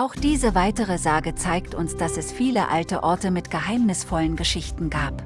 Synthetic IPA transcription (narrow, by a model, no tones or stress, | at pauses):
ʔaʊxd̥iːzəvaɪtəʁ̞əzaːɡət͡saɪktʊnsd̥asɛsfiːlə̰ʔaltə̰ʔɔɐtəmɪtɡ̥əɦaɪmnɪsfɔlənɡəʃɪçtn̩ɡaːp